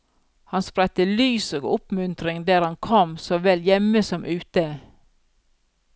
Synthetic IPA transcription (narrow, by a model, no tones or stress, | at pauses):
hɑnspɾɛt̪əlyːsoːɡʊpmʉnt̪ɾɪŋd̪æːɾhɑnkʰɔmsoːʋɛljɛməsɔmʔʉːt̪ə